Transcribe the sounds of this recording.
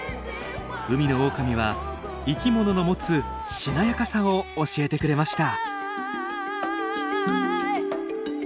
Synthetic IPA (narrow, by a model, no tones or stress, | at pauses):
ɯ̟mʲino̞oːkamʲiβ̞a | ikʲimo̞no̞no̞mo̞t͡sɨ | ɕinajakasão̞ːɕie̞t̪e̞kɯ̟ɾe̞maɕi̥t̪a